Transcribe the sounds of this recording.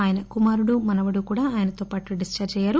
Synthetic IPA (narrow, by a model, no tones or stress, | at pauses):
aːjɐnɐkumaːɾuɽumɐnɐʋɐɽukuːɽaːaːjɐnɐt̪oːpaːʈuɖist͡ʃɐɾd͡ʒɐjaːɾu